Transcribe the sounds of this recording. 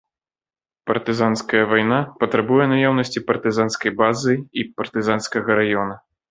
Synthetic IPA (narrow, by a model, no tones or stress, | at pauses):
pɐrt̪ɨzanskɐjɐvajnapɐt̪ɾabujɛnajawnɐsʲt͡sʲipɐrt̪ɨzanskɐjbazɨipɐrt̪ɨzanskɐɣɐɾajɔnɐ